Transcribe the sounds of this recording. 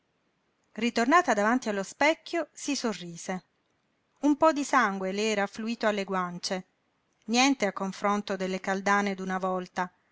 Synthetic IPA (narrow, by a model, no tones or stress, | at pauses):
rit̪ornaːt̪ad̪avant̪ialːospɛkʲːjosisorːiːze | umpɔd̪isaŋɡweleɛːɾafluiːt̪oalːeɡwant͡ʃe | njɛnt̪eakːoɱfɾont̪od̪elːekald̪aːned̪unavɔlt̪a